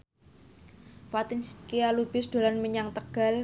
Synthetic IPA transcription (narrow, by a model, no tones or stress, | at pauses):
fat̪ɪnskialub̥ɪsd̪̥o̤lanməɲaŋt̪əɡ̥a̤l